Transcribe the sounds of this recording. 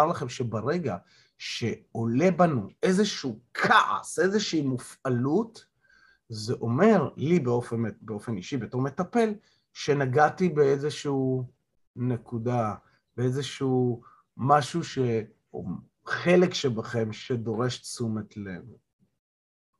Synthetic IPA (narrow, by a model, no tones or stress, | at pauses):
aʁlaχe̞mʃe̞baʁe̞ɡa | ʃe̞o̞le̞banuezeʃuuːkʰaʔa̰sezeʃiːmufʔalut | zeʔo̞me̞ʁlibeofebeo̞fe̞niʃibet̪o̞ʁme̞t̪ape̞l | ʃe̞naɡatibeezeʃu | nekuda | beezeʃuː | maʃuʃe | o̰ | χe̞lekʃebaχe̞mʃe̞do̞ʁe̞ʃt͡sumetlenu